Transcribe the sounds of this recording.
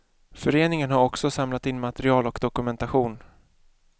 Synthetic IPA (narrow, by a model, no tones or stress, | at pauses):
fœɾeːnɪŋənɦaɾɔksɔsamlat̪ɪnmat̪ɛɾɪɑːlɔkd̪ɔkɵmɛnt̪aɧuːn